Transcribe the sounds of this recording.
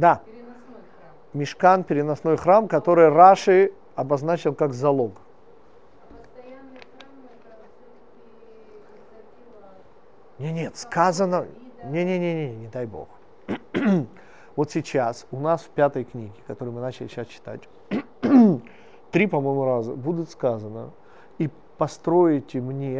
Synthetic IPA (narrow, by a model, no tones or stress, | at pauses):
d̪a | mʲɪʂkanpʲɪɾʲɪnɐsno̞jxɾamkɐt̪o̞ɾɨjraʂɨ | ɐbɐznat͡ɕɪlˠkakzɐlˠo̞k | nʲenʲet̪skazənə | nʲenʲenʲenʲenʲenʲɪd̪ajbo̞̰x | vo̞t̪sʲɪt͡ɕasʊnasfpʲat̪əjknʲiɡʲɪkɐt̪oɾɨjmɨnat͡ɕɪlʲɪɕast͡ɕɪ̥t̪a̰tʲ | t̪ɾʲipɐmo̞jmʊɾazə̰bud̪ʲʊt̪skazənə̰ | i | pɐst̪ɾo̞jɪtʲɪmnʲe